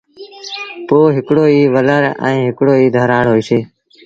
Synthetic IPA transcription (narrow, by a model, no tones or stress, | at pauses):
poːɦɪkɽoːiːʋələɾə̰̃ːɦɪkɽoːiːd̪ʱəɾaːɽɦoːiːseː